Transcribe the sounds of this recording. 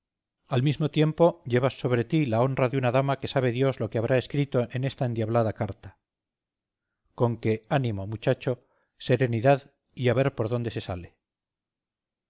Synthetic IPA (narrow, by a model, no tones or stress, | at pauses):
almizmo̞t̪je̞mpo̞ʎe̞βasːo̞βɾe̞t̪ilao̞nraðeunaðamake̞saβ̞e̞ðjo̞zlo̞keaβ̞ɾʔae̞skɾit̪o̞ʔene̞st̪aend̪jaβlaðakaɾt̪ḁ | ko̞ŋke̞anĩmo̞mut͡ʃat͡ʃo | se̞ɾe̞niðað | iaβe̞ɾpoɾðo̞nd̪e̞se̞sa̰le̞